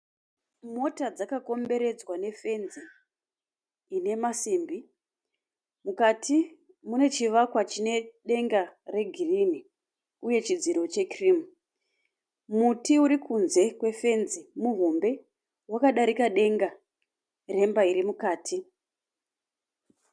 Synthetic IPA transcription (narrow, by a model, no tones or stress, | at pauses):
mo̞tad͡zakako̞mbe̞ɾe̞d͡zwane̞fe̞nzi | ne̞masiːmbi | mukatʰi | mune̞t͡ʃiʋakwat͡ʃine̞ɗe̞ŋɡare̞ɡʱirini | uje̞t͡ʃid͡ziɾo̞t͡ʃe̞krim | mutiuɾikunze̞kwe̞fe̞nzimuɦombe̞ | wakaɗaɾikaɗe̞ŋɡa | re̞mbaiɾimukaːtʰi